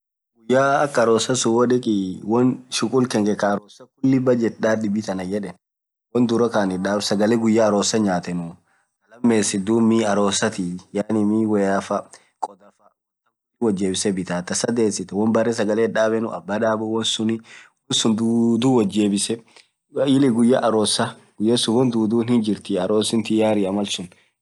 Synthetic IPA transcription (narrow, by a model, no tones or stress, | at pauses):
ɡʊjːaːɐkːɐɐɾoːsɐsʊwɐᶑɪkʼɪwɔnʃʊkʼʊlkɛŋɡɛkɐːɾoːsɐkʊlːɪbɐd͡ʒɛt̪ᶑaːdɪbɪt̪ɐnɐjɛᶑɛn | wɔnd̪ʊɾɐkaːnɪᶑaːbsɐɡɐlɛɡʊjːaːɾoːsɐɲaːt̪ɛnʊ | ɐlɐmːeːsɪd̪uːmːiɐɾoːsɐt̪ijaːnɪmiwɛɐfɐ | kʼɔd̪ɐfɐ | ɐm | iwɐd͡ʒːeːbɪsɛbɪt̪aːt̪ɐsɐd̪eːsɪt̪ɛwɔnbɐrɛs̬ɐɡɐleːᶑaːbɛnʊ̰ɐ̰bːaᶑaːbʊwɔnsʊnɪwɔnsʊnd̪uːd̪uːwɐd͡ʒːeːbɪsɛ | jɪlɪɡʊjːɐ̰ʔɐɾoːsɐ | ɡʊjːɐsʊwɔnd̪uːd̪uːnhɪnd͡ʒɪɾt̪ɪɐɾoːsɪnt̪ɪjaːɾɪɐmɐlsʊn